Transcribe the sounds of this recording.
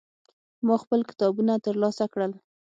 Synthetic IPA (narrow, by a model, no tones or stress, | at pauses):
mɑxpəlkɪ̥t̪ɑbunat̪əɾlɑsakɽəl